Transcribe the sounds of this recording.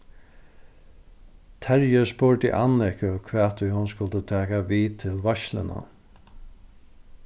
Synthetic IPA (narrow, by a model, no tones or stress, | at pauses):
t̪ʰɛɹjəspʊɹt̪ɪ̰ʔanɪkəkʰʋɛːt̪ʰʏjhʊnskʊlt̪ət̪ʰɛːkaʋiːt̪ʰɪlʋaʃlɪ̰na̰